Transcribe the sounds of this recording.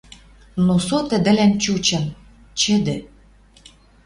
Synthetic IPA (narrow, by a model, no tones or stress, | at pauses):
nosot̪ə̆d̪ɘ̆lænt͡ɕut͡ɕə̆m | t͡ɕɘ̆d̪ɘ̆